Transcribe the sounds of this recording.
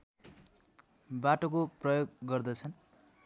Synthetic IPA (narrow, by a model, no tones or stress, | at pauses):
baʈokoprʌjoɡːʌrd̪ʌt͡sʰʌn